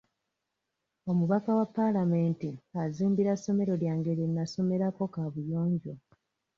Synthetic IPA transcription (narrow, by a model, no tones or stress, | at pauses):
o̞muβakawapːalame̞ːntiaziːmbiɾasːo̞me̞ɾo̞ljaːŋɡe̞ɾinːaso̞me̞ɾako̞kaβujo̞ːɲɟo